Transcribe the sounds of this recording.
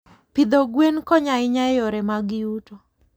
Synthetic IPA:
pid̪oɡwenkɔɲaɪɲaɛjɔɾɛmaɡɪuto

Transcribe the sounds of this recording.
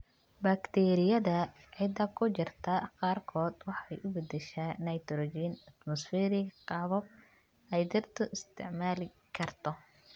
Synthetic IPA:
baːkt̪ʰɛɾɪjɐðɐ | ʕɪd̪ɐkʰʊt͡ʃɪrt̪ʰɐqɑːrkʰɔːd̪wɑħɑɛjʔʊbɛd̪ɛʃaːnɐjt̪ɾɔd͡ʒinɐt̪mɔsfɛːɾɪqɑβɔb̚ | ɛjd̪ɐrt̪ʰɔɪst̪ʰɪ̰ʕmaːlɪ | kʰɐrt̪ʰɔ

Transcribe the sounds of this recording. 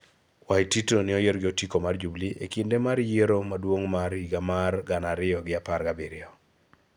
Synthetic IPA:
wajtitonɪɔjeɾɡɪotikomard͡ʒubliʔḛkindemarjeɾomadwoŋmaɾiɡamarɡanaɾɪɔɡɪaparɡabiɾɪɔ

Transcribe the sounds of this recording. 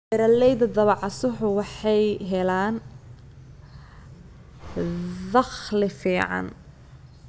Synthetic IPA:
ɛɾɐlɛjd̪ɐd̪ɐβɑʕɑsʊħʊwɑħɑjɦɛlaːn | ðɑχlɪfiːʕɑ̰n

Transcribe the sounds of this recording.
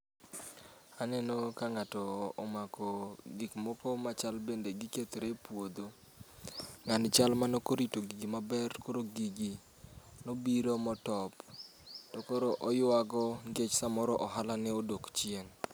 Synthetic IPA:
anɛnokaŋatɔːmakɔɡikmɔkɔmat͡ʃalbendeɡɪket̪ɾepwod̪o | ŋant͡ʃalmanokoɾitoɡiɡimabɛrkoɾoɡiɡi | nobiɾomɔtɔp | tokoɾoʔɔjʊaɡɔŋɡet͡ʃsamɔɾɔʔɔɦalanɛodokt͡ʃɪen

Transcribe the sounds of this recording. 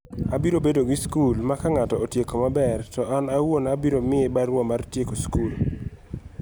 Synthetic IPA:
abiɾobedoɡɪskulmakaŋatɔotjekomabɛrtɔanawonabiɾomɪebaɾwɔmartjekoskul

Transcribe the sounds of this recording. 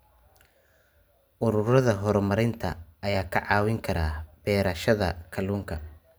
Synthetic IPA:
ʔʊɾʊɾɐðɐɦɔɾmɐɾɪnt̪ʰɐ̰ːjaːkʰɐʕɑːwɪŋkʰɐɾaːb̥ɛːɾɐʃɐðɐkʰɐluːŋkʰɐ

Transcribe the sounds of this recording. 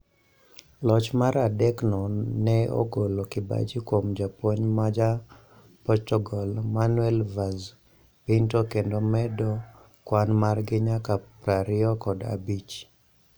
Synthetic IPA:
lɔt͡ʃmaɾadɛknɔnɛo̰ɡolokɪba̰d͡ʒikwomd͡ʒapoɲmad͡ʒa | pɔtɔɡɔlmanwɛlvaz | pɪntokendomɛdɔ | kwanmarɡɪɲakapɾaɾɪɔkɔda̰bit͡ʃ

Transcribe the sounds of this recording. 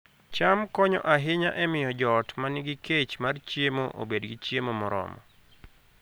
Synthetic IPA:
t͡ʃamkɔɲɔ̰ʔaɦɪɲaʔɛmɪjɔd͡ʒɔtmanɪɡɪket͡ʃmart͡ʃjemo̰ʔo̰bedɡɪt͡ʃjemomɔɾɔ̰mɔ̰

